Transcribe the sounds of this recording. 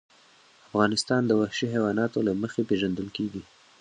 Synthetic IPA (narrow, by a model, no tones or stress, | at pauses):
afɣɑnɪst̪ɑnd̪əwahʃiɦawɑnɑt̪olaməxepeʒand̪əlkeɡi